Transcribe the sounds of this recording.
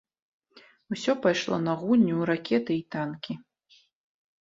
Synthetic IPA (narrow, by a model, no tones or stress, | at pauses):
usʲɔpajʂlˠɔ̰nɐɣunʲːuɾakʲɛt̪ɨit̪ankʲi